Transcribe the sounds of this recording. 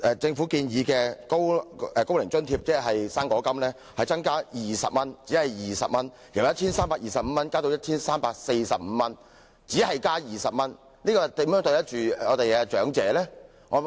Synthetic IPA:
ʔɛː˨t͡sɪ˧ŋfu˨˥kiː˧njiː˨˧kɛː˧ko˥wɛ˨˧ko˥wlɪ˨˩ŋt͡sɵ˥nt̪ʰiː˧p̚t͡sɛː˥ɦɐ˨jsaː˥ŋkɔː˨˧˥kɐ˥mlɛː˥ | hɐ˨jt͡sɐ˥ŋkaː˥jiː˨sɐ̰˨p̚mɐ˥nt͡si˨˥hɐ˨jjiː˨sɐ̰˨p̚mɐ˥n | ji˨˩wjɐ˥t̚t͡sʰiː˥nsaː˥mpaː˧k̚jiː˨sɐ˨p̚m̩˨˧˦mɐ˥nkaː˥t̪o˧wjɐ˥t̚t͡ʃʰiː˥nsaː˥mpaː˧k̚se˧jsɐ˨p̚m̩ː˨˧˦mɐ˥n | t͡siː˨˥hɐ˨jkaː˥jiː˨sɐ˨p̚mɐ˥n | liː˥kɔː˧t̪i˨˥mjœ˨˥ŋt̪o˧jɐ˥t̚t͡ʃyː˨ŋɔː˨˧t̪e˨jkɛ˧t͡ʃœː˨˥ŋt͡sɛː˨˥lɛː˥ | ŋɔː˨˧

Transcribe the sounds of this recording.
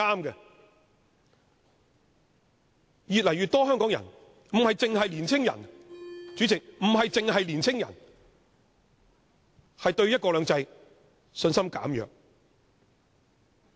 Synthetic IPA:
aː˥mkɛ˧ | jyː˨t̚lɐ˨˩jɥyː˨t̪ɔː˥ɦœː˥ŋkɔː˨˥ŋjɐ˨˩n | m̩˨˩hɐ˨jt͡sɪ˨˧ŋhɐ˨jliː˨˩nt͡sʰɪ˥ŋjɐ̰˨˩nt͡ʃyː˨˥t͡sɪ˨k̚m̩˨˩ɦɐ˨jt͡sɪ˨˧ŋɦɐ˨jliː˨˩nt͡sʰɪ˥ŋjɐ˨˩n | hɐ˨jt̪ɵ˧ɥjɐ˥kɔː˧lœː˨˧ŋt͡sɐ˧j | sɵ˧nsɐ˥mka̰ː˨˥mjœ̰ː˨k̚

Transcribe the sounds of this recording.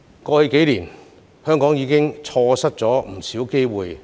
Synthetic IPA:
kɔː˧hi˧ke˨˥jliː˨˩n | hœː˥ŋkɔː˨˥ŋjiː˨˧kɪ˥ŋt͡sʰɔː˧sɐ˥t̚t͡sɔː˨˥m̩˨˩siː˨˥wke˥jwuː˨j

